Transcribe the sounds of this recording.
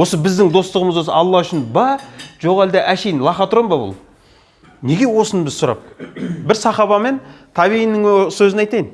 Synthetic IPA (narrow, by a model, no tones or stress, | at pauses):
wo̞səbɪzd̪ɪŋd̪o̞st̪əʁəməzwo̞s̬əɑlˠːɑʏʃɪnbɑʒo̞ʁɑld̪ɑʔæʃejnlˠɑχɑt̪ʰʊɾɑmbɑbʊ̰lˠ | ne̞ɡʲe̞wo̞sənbɪzsʊɾɑ̰p̚bɪɾsɑχɑβɑme̞nt̪ʰɑβiinːɪŋsɵzɪnɑjt̪ɑjɪn